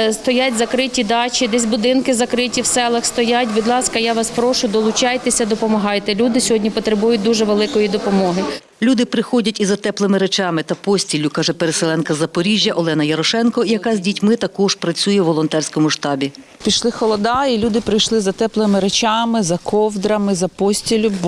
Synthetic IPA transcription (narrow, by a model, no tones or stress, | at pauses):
st̪ɔjatʲzɐkɾɪtʲid̪ɑt͡ʃʲid̪ɛs̬ʲbʊd̪ɪnkɪzɐkɾɪtʲiwsɛlˠɐxst̪ɔjatʲʋʲid̪lˠɑskɐjaʋɑspɾɔʃʊd̪ɔlˠʊt͡ʃɑjt̪esʲɐd̪ɔpɔmɐɦɑjt̪ɛlʲud̪ɪsʲɔɦɔdʲnʲipɔt̪ɾebujʊd̪uʒɛʋelˠɪkɔjid̪ɔpɔmɔɦɪ | lʲud̪ɪpɾɪxɔdʲɐtʲizɐt̪ɛplˠemɪɾet͡ʃɑmɪt̪ɐpɔsʲtʲilʲʊkɑʒɛpeɾeselˠɛnkɐzɐpɔɾʲiʒʲjɐʔɔlˠɛnɐjɐɾɔʃɛnkɔijɐkɑzʲdʲitʲmɪt̪ɐkɔʒ̥pɾɐt͡sʲujɛʋɔlˠɔnt̪ɛrsʲkɔmʊʃt̪ɑbʲi | pʲiʃlˠɪxɔlˠɔd̪ɑilʲud̪ɪpɾɪjʃlˠɪzɐt̪ɛplˠɪmɪɾet͡ʃɑmɪzɐkɔwd̪ɾɐmɪzɐpɔsʲtʲilʲʊb